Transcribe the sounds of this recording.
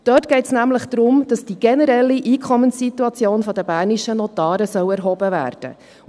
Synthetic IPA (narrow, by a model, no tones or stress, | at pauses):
d̥œːtɡ̥ɛɪtsnæmləχd̥ɾʊmd̥ɑsd̥iɡ̥ɛnəɾɛlːiʔiːkʰɔmənsːit̪uɑt͡sjoːnfɔd̥əbæːɾniʃənɔt̪ɑːɾəsœwɛɾɦɔbəvæ̰ːrd̥ə̰